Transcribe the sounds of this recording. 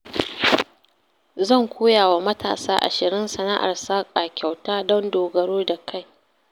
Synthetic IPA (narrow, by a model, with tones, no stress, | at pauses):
zɐ˦˨ŋkʷoː˦jaː˨wa˨mɐ˦tʰa̰ː˨saː˦ʔa̰˨ʃɪ˨ɾɪ˦nsɐ˨na˦ʔa̰˨rsaː˦kʼa˨kʲa˨wtaː˦dɔ˦ndoː˨ɡɐ˨ɽoː˦da˨kʰa˦˨j